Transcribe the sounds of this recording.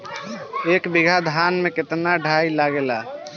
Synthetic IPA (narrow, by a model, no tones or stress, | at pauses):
ekbiɡʱad̪ʱanmeket̪naɖʱailaɡela